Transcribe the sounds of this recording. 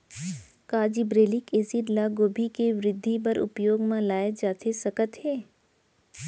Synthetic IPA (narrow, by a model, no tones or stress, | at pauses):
kaːd͡ʒibɾeːlikeːsiʈlaɡoːbʱikeʋɾɪd̪ʱːipəɾʔʊ̰pjoːɡmãlaːjed͡ʒaːt̪ʰesɐkət̪ɦeː